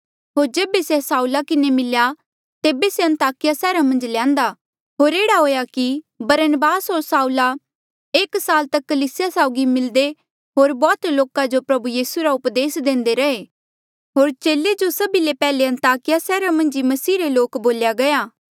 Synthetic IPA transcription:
ɦoːɾd͡ʒeːbesesaːulakɪnemɪlja | t̪eːbeseɐ̃nt̪aːkɪjasɛːɾamɐ̃nd͡ʒlãːnd̪a | ɦoːɾeːɽaɦoːjaki | bɐɾənəbaːsɦoːɾsaːula | eːksaːlt̪ɐkːɐliːsɪjasaːʊɡimɪld̪e | ɦoːɾbɔːt̪loːkãd͡ʒopɾɐbujiːsuɾaʊpd̪eːsd̪ẽːnd̪eɾɐɦe | ɦoːɾt͡ʃeːled͡ʒosɐbilepɛːleɐ̃nt̪aːkɪjasɛːɾamɐ̃nd͡ʒimɐsiːɾeloːkboːljaɡɐjaː

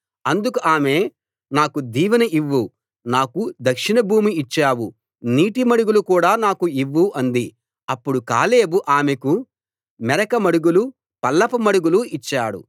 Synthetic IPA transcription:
ɐnd̪ukuʔaːme̞ː | naːkud̪iːʋɐnɐʔiʋːu | naːkud̪ɐkʂinɐbʱuːmiːt͡ʃːaːwu | niːʈimɐɽuɡulukuːɽaːnaːkuiʋːuʔɐnd̪i | ɐpːuɽuka̰ːle̞ːbuʔaːmeku | mɛɾɐkɐmɐɽuɡulu | pɐlːɐpɐmɐɽuɡuluit͡ʃːaːɽṵ

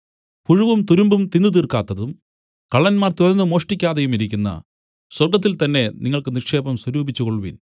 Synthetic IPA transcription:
puɻuʋumt̪uɾumbumt̪ind̪ut̪iːrkaːt̪ːɐðum | kɐɭːɐnmaːrt̪oɾɐnːɨmo̞ːʂʈikʲːaːðejumiɾikʲːunːɐ̰ | swɐrɡɐt̪̬ːilt̪ɐnːe̞niŋːɐɭkɨnirkʂe̞ːbɐmswɐɾuːbit͡ɕːukoɭʋḭn

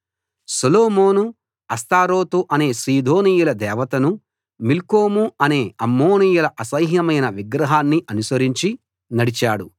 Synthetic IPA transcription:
sɐloːmo̞ːnu | ɐst̪aːɾoːt̪uʔɐne̞ːsɾiːd̪ʱo̞ːnijulɐd̪ɛːʋɐt̪ɐnu | milkoːmuɐne̞ːɐmːoːnijulɐʔɐsɐjɦnɐmɐjnɐʋiɡɾɐɦaːnːiʔɐnusɐɾiɲt͡ʃi | nɐɽit͡ʃaːɽu

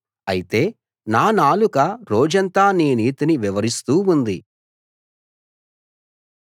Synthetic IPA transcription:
ɐjit̪e̞ː | naːnaːlukɐɾoːd͡ʒɐnt̪aːniːniːt̪iniʋiʋɐɾist̪uːund̪i

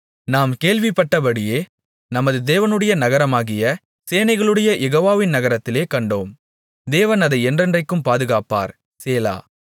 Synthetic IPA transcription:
naːmkeːɭʋɪpːɐʈːɐbɐɽɪjeː | nɐmɐðɯd̪eːʋɐnɯɽɐjɐnɐɣɐɾɐmaːɣɪjɐ | seːnɐɪɣɐɭɯɽɐjɐjɛɣoːʋaːʋɪnnɐɣɐɾɐt̪ːɪleːkɐɳɖoːm | d̪eːʋɐnɐðɐɪɛndrɛndrɐɪkːɯmpaːðɯɣaːpa̰ːɾ | seːla̰ː

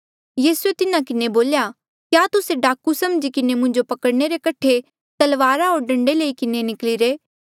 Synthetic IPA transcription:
jiːsuet̪ɪnãkɪneboːlja | kjaːt̪ʊseɖaːkusɐmd͡ʒikɪnemʊ̃ɲd͡ʒopɐkəɽneɾekɐʈʰe | t̪ɐlʋaːɾaɦoːɾɖɐ̃ɳɖeleikɪnenɪkliɾeː

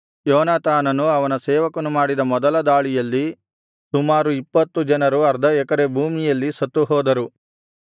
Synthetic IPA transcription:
jɔːnaːt̪ʰaːnɐnuɐʋɐnɐsɛːʋɐkɐnumaːɽid̪ɐmɔd̪ɐlɐd̪aːɭijɐlːi | sumaːɾuipːɐt̪ːud͡ʒɐnɐɾuɐɾd̪ʱɐɛkɐɾe̞bʱuːmijɐlːisɐt̪ːuɦɔːd̪ɐɾu

